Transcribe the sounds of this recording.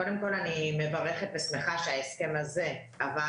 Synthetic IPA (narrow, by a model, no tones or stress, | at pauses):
odemko̞lanime̞vaʁeχet̪̚besmeχaʃeaeske̞maze̞ | ava